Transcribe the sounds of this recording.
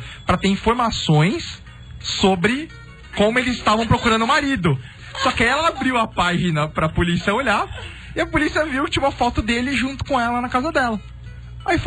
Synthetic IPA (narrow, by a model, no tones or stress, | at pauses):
pɾɐt̪eɾĩfoɾmasõj̃sː | obɾɪ | kõmʊelɪzɪst̪avɐ̃w̃pɾokuɾɐ̃nd̪ʊmaɾid̪ʊ | sɔkɪaiɛlɐabɾiwɐpaʒinɐpɾɐpolisiɐoʎa | ɪɐpolisiɐviwkt͡ʃĩũmɐfɔt̪ʊd̪elɪʒũt̪ʊ̥kõɛlɐnɐkazɐd̪ɛlɐ | aif